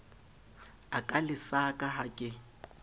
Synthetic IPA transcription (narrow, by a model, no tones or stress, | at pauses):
akʼalɪsakʼaɦakʼɪ